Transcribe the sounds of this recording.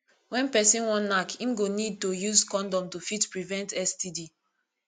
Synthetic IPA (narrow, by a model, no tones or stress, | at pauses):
wɛ̃npɛsĩnwɔ̃nlakʰĩmɡonid̚tojuzkɔ̃ndɔ̃mtufitpɹivɛ̃ntɛstidi